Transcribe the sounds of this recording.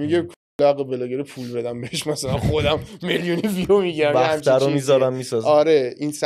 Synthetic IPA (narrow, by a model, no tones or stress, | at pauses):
miɟekʰ | læɣebelɒːɡeɾipʰulbe̞d̪æmbeheʃmæsælænxod̪æmːeljuniviomiɟiɾæmæhæχæmt͡ʃæɾomizɒɾæmːisɒzɒːɾeʔins